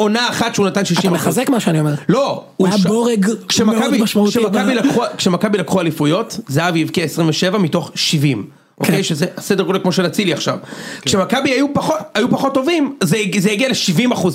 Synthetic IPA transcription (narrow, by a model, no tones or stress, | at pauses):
onaːχatʃeunatanʃiʃaiamaazekmaʃeaniomeʁlo | uboʁeɡkʃemakabimaʃmauʃemakabilakχuakʃemakabilakχualifujo̞tzeavjivkiaesʁimveʃe̞vamito̞χʃivim | ʔokkejʃezeasedeʁolekmo̞ʃelat͡siliaχʃa̰vkʃe̞makabiajupaχotajupaχo̞tːo̞vimzezejaɡialeʃivimaχuz